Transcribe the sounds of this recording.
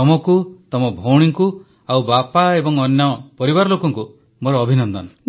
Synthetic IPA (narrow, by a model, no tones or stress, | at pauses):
ɔmɔkut̪ɔmɔbʱowɽ̃iŋku | awbapaebɔŋɔnjapɔɾibaɾɔlokɔŋku | moɾɔːbʱinɔnd̪ɔ̰n